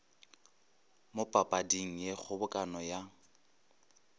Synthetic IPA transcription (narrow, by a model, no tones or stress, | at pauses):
mʊpʼapʼadiŋ̩jek͡xʰʊbʊkʼanɔja